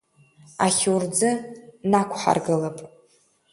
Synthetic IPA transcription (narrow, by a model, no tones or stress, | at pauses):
aχʲurd͡zɨnakʷʰħa̰rɡɨlapʼ